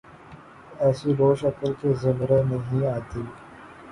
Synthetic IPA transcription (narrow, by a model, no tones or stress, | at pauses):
ɛːsiɾoːʃɐkəlkezɐbɾenɐɦĩaːt̪iː